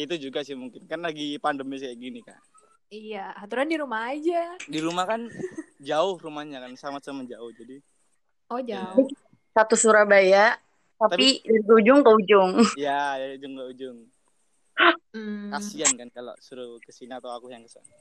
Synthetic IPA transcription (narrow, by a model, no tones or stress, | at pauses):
it̪ud͡ʒuɡasiamuŋkɪnkanlaɡipandəmbɛsajaʔɡinika̰ | ijahat̪uɾandiɾumaɦːd͡ʒadiɾumahkand͡ʒaʊhrumahɲakansamasəmad͡ʒaʊhd͡ʒadi | ɔd͡ʒaai | sat̪usuɾabajaʔ | t̪at̪apidiɡud͡ʒʊŋkaud͡ʒʊŋjajaud͡ʒʊŋkaud͡ʒʊŋ | m̩kasiankankalo̰suɾukəsinaat̪awakuhjaŋkəsa̰na